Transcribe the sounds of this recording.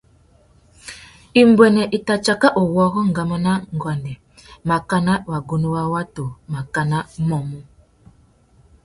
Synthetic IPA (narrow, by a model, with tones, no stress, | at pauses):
i˨m˦bwɛ˨nɛ˨ʔi˨ta˨t͡ʃa˨ka˦ʔo˨wɔ˦ɣɔ˦ŋ̩˨ɡa˨ma˦na˦ŋ̩˨ɡwa˨ndɛ˨ | ma˨ka˦na˦˨wa˨ɡu˨nu˦wa˦wa˦to˨ma˨ka˨na˦mɔ˨mu˦